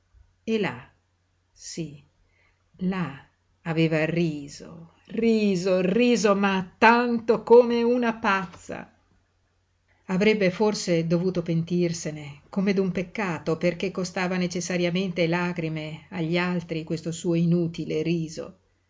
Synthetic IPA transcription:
ela̰ | si | la | aveːvariːzo̰ | riːzoriːzomat̪ːant̪okoːmeunapat̪sːa̰ | avɾɛbːeforsed̪ovuːt̪opent̪irsenekomed̪umpekːaːt̪operk̟ekːost̪aːvanet͡ʃesːaɾjament̪elaːɡɾimeaʎːialt̪ɾikwest̪osuːoinuːt̪ileɾiːzo̰

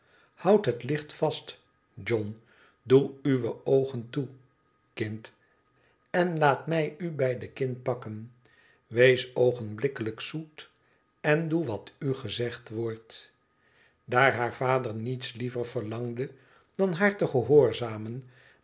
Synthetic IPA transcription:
hʌwtɦətlɪχtfɑst | d͡ʒɔn | duyʋəowχəntu | kɪnt | ɛnlaːtmɛjybɛjdəkɪnt̚pɑkən | ʋejsowχənblɪkələksut | ɛnduʋɑtyχəzɛχtʋɔɹt | daːɹɦaːɹv̥aːdəɹnitslivəɹv̥əɹlɑŋdə | d̥ɑnɦaːɹtəχəɦoːɹzaːmən

